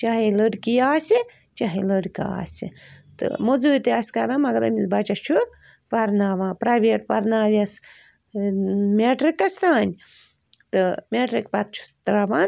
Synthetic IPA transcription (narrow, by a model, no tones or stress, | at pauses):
t͡ʃaːɦiləɽʲkijaːsi | t͡ʃaɦiləɽka̰a̰ːsʲḭt̪ɨ̰mod͡zut̪iaːsʲkɐɾamɐɡɐɾɐ̰mʲibɐt͡ʃɐst͡ʃʰu | pɐɾnaːʋãːpɾaːʋeːʈpɐɾnaːʋʲɐs | meʈɾikɐst̪aːnʲ | t̪ɨmeːʈɾikpɐt̪̚t͡ʃʰu̥st̪ɾaʋaːn